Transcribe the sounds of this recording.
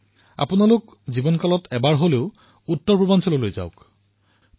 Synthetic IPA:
a̰punalʊk | zibɔnkɔlɔtʰɛbaɹɦoleʊ | utːɔɹpɔbɔnsɔlɔlojza̰ʊk

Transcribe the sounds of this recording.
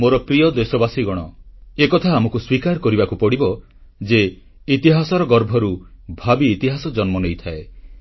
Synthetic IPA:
moɾɔpɾiɔd̪esɔbasiɡɔɽ̃ɔekɔt̪ʰaːmɔkuswikaɾɔkɔɾibakupɔɽibɔ | d͡ʒe | it̪iɦasɔɾɔɡɔɾbʱɔɾubʱabiːt̪iɦasɔd͡ʒɔnmɔnejt̪ʰae

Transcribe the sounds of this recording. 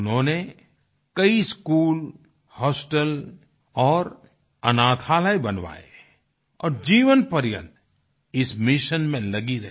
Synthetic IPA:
ʊnɦõːne | kɐiskuːl | hɔːsʈəl | ɔːɾ | ɐ̰naːt̪ʰaːləebɐnʋa̰ːḛ | ɔ̰ːɾd͡ʒiːʋənpəɾjə̰t̪ | ɪsmɪʃənmẽlɐɡiɾɐ

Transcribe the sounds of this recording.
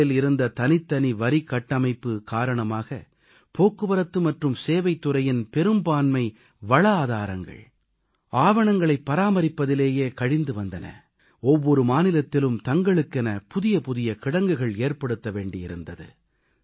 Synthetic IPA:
ɪlɪɾɯnd̪ɐt̪ɐnɪt̪ːɐniʋɐɾikːɐʈːɐmɐɪpːɯkaːɾɐɳɐmaːɣɐ̰ | poːkːɯʋɐɾɐt̪ːɯmɐʈrɯmseːʋɐɪt̪ːʊɾɐjɪnpɛɾɯmbaːnmɐɪ | ʋɐɭɐaːðaːɾɐŋɡɐ̰ɭ | aːʋɐɳɐŋɡɐɭɐɪpːɐɾaːmɐɾɪpːɐðɪleːjeːkɐɻɪnd̪ɯʋɐnd̪ɐnɐ̰ | ɔʋːɔɾɯmaːnɪlɐt̪ːɪlɯmt̪ɐŋɡɐɭɯkːɛnɐpʊðɪjɐpʊðɪjɐkɪɽɐŋɡɯɣɐɭeːrpɐɽɯt̪ːɐʋeːɳɖɪjɪɾɯnd̪ɐðɯ̰

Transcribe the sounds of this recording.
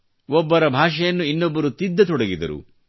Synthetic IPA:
ɔbːɐɾɐbʱaːʂɐjɐnːuinːobːɐɾut̪id̪ːɐt̪ɔɽɐɡid̪ɐ̰ɾṵ

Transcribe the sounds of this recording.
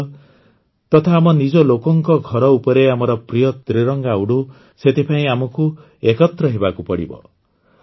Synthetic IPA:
t̪ɔt̪ʰaːmɔnid͡ʒɔlokɔŋkɔɡʱɔɾɔupɔɾeamɔɾɔpɾijɔd̪ɾeɾɔŋɡawɽu | set̪ipʰaĩamɔku | ekɔt̪ɾɔɦebakupɔɽḭbɔ̰

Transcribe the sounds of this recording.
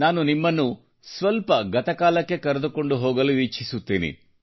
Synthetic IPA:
naːnunimːɐnːu | sʋɐlpɐɡɐt̪ɐkaːlɐkːe̞kɐɾed̪uko̞ɳɖuɦoːɡɐluʋit͡ʃʰisut̪ːiːnḭ

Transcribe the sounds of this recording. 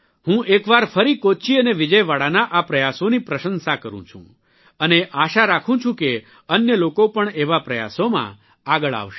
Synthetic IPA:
hũʔekʋaɾfəɾikot͡ʃiəneʋɪd͡ʒəjʋaɽanaʔapɾəjasonipɾəʃənsakəɾṵ̃t͡ʃʰṵ̃ | əneʔaʃaɾakʰũt͡ʃʰũke | ənjəlokopəɳeʋapɾəja̰somã̰ | aɡəɭa̰ʋʃe

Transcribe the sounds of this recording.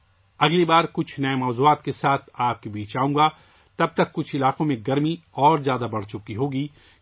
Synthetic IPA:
ɐɡlibaːɾkʊt͡ʃʰnɐemɔːzuːaːt̪kesaːt̪ʰaːp̚kebiːt͡ʃaːũːɡa | t̪ɐb̚t̪ɐkːʊt͡ʃʰɪlaːqõmẽɡɐɾmiɔːɾzjaːd̪abɐɽ̤t͡ʃʊkiɦoːɡiː

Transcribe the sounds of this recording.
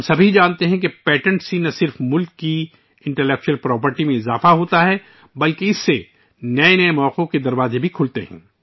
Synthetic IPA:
msɐbʱid͡ʒaːnt̪eɦɛ̃k̬epɛːʈə̃ɳʈsinɐsɪɾfmʊlkːi | ɪ̃ɳʈɛlɛːk̚t͡ʃuəlpɾɔːp̬əɾʈimẽɪzaːfaɦoːt̪aɦɛ | bɐlkeɪsːe | nɐenɐemɔːqõked̪ɐɾwaːzebʱikʰʊlt̪eɦɛ̰̃ː

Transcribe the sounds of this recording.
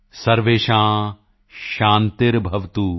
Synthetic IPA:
sɐɾʋeːʃãː | ʃaːnt̪ɪɾbʱɐʋt̪u

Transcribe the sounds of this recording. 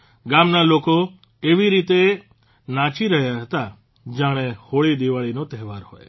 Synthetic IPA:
ɡamnaloko | eʋiɾit̪e | nãt͡ʃiɾəɦjaɦət̪a | d͡ʒaɽ̃ehoɭid̪iʋaɭinot̪ɛɦʋaɾɦo̰j

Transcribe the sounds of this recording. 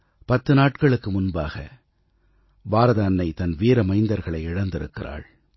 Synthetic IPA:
pɐt̪ːɯnaːʈkɐɭɯkːɯmʊnbaːɣɐ̰ | baːɾɐðaːnːɐɪt̪ɐnʋiːɾɐmɐɪnd̪ɐɾɣɐɭɐɪɪɽɐnd̪ɪɾɯ̰kːɪra̰ːɭ

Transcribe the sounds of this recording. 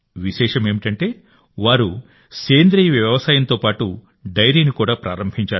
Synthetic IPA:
ʋiʃɛːʂɐme̞ːmiʈɐɳʈe̞ː | ʋaːɾu | seːnd̪ɾiːjʋjɐʋɐsaːjɐnt̪o̞ːpaːʈu | ɖɐjɾiːnikuːɽaːpɾa̰ːɾɐmbʱiɲt͡ʃaː

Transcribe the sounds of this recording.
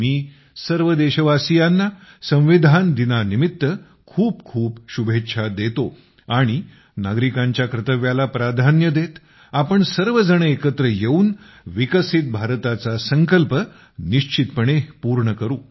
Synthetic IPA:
miː | səɾʋəd̪eɕəʋasijanːasə̃w̃ʋid̪ʱand̪inanimit̪ːə | kʰuːp̚kʰuːpɕubʱet̪ːɕʰad̪et̪o | aɽ̃i | naɡɾikãɲt͡ɕjakɾət̪əʋjalapɾad̪ʱanjəd̪et̪ | apəɳsəɾʋəd͡zəɳ̃əekət̪ɾəjeuːn | ʋikəsit̪̚bʱaɾt̪at͡sasəŋkəlpə | niɕt͡ɕʰit̪pəɽ̃epuɾɳəkəɾuː

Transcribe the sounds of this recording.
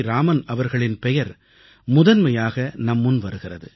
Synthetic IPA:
ɾaːmɐnɐʋɐɾɣɐɭɪnpɛjɐɾ | mʊðɐnmɐjaːɣɐnɐmːɯnʋɐɾɯɣɪrɐðɯ

